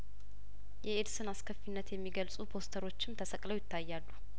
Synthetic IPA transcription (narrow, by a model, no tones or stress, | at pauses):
jɛed̪sɨnaskʰəfːinːət̪jɛmːiɡəlsʼupʰo̞st̪ʰəɾo̞t͡ʃːɪmt̪ʰəsʼəkʼləwjɪt̪ʰːajːalːu